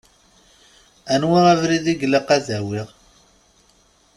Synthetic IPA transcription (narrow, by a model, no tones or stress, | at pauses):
ænwiʁævɾiðiɡləqæðæwiʁ